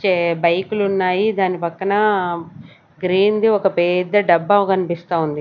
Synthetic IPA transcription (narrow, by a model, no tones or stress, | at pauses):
t͡ʃebɐjkulunːaːjid̪aːnipɐkːɐnɐ | ɡɾiːnd̪iɔkɐpɛːd̪ɐɖɐbːakɐnipist̪aːund̪i